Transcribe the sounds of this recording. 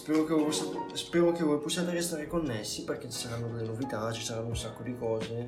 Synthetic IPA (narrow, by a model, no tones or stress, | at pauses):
spɛːɾokejposaspɛːɾokevɔjposːjaːt̪eɾest̪aːɾekonːesːiperk̟et͡ʃːi̥saɾanːod̪elːenovit̪at͡ʃisaɾanːounsakːod̪ikɔːze